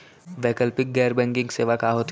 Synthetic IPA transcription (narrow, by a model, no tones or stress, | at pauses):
ʋɛːkəlpɪk̚ɡɛːɾbɛ̃ːŋkɪ̃ŋɡseːʋakaːɦoːt̪